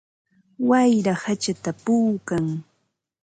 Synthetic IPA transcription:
wajɾahat͡ʃat̪apuːkaŋ

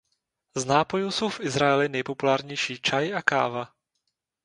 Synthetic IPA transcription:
znaːpo̞juso̞wfʔɪzɾaɛlɪnɛjpo̞pulaːɾɲɛjʃiːt͡ʃajʔaka̰ːva

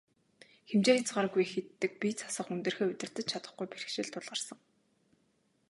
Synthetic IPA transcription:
xemt͡ɕeːxʲet͡sɢaːɾə̆ɡujxet̪ːɘ̆k̚pʲit͡sʰḁsə̆χunt̪ɘ̆rxeːɵt̪ɪ̆r̥t̪ɘ̆t͡ɕt͡ɕʰat̪ə̆χɡujpeɾɘ̆xʃɪ̆ɮt̪ʰʊɮʁə̆rsə̆ŋ

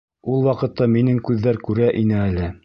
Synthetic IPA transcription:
ulˠwɑqɤ̆t̪ːɑminɘŋkʉðːæɾkʉɾæʔinɘælɘ

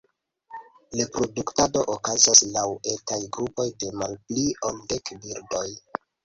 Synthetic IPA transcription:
lepɾo̞duktado̞ʔokazaslawe̞tajɡɾupo̞jde̞malpliolde̞kbiɾdoj

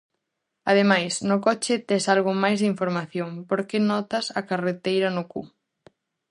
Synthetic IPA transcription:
aðemajsnʊkɔt͡ʃɪt̪ɛsalɣ̞ʊmajzðiɱfoɾmaθjoŋpoɾkenɔt̪ɐsɐkaret̪ejɾɐnʊkṵ

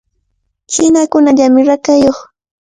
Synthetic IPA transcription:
kɪnakʊnaʎamɪɾakajoχ

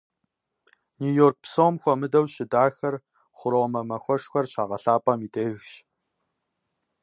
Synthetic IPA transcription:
nuːjoːrk̚psoːmxʷɔmɨdɐwʃɪdaːxɐr | χʷʊɾomɐmɐxʷɔʂxʷɐrɕʰaːʁɐɬaːpʼɐmiːdʰʼeːʒʷʃ

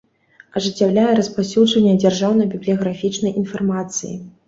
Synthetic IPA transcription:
ɐʐɨt͡sʲːawlʲajɛɾɐspasʲud͡ʐɐnʲːɛd͡zʲarʐawnɐbʲiblʲijɐɣɾafʲit͡ʂnɐjʔinfarmat̪sɨjḭ

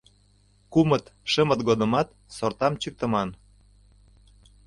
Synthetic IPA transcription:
kumət̪ʃəmə̆t̪ɡod̪ə̆mɑt̪̚ | sort̪ɑmt͡ɕyk̚t̪ə̆mɑn

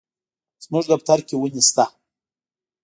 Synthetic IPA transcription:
z̥mɨʐd̪ap̚t̪ʰaɾkʲiwɨnist̪a

